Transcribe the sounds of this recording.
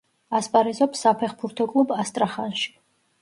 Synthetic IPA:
aspʼaɾizɔpsːapʰɛχbuɾt̪ʰɔkʼlˠubast̪ʼɾaχanʃi̥

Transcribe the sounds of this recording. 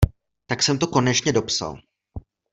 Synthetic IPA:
t̪aksɛmt̪o̞ko̞nɛt͡ʃɲɛdo̞psa̰l

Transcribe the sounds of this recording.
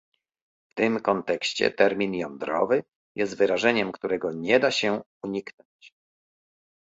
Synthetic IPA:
ft̪ɘmkɔnt̪ɛkɕt͡ɕɛ̰t̪ɛɾmʲinjɔnd̪ɾɔ̰vɘ | jɛst̪vɘɾaʐɛɲɛmkt̪uɾɛɡɔɲɛd̪aɕɛ | uɲiknɔɲt͡ɕ

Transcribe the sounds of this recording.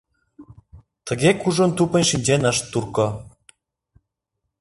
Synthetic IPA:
t̪ə̆ɣʲekuʒŏnt̪upə̆nʲʃinʲd͡ʑenəʃt̪ːurko

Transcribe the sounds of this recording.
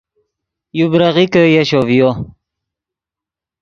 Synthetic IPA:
jubɾaʁikəjaɕovjo

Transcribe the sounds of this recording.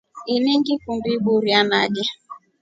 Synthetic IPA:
ineŋɡikumbibuɾiamada

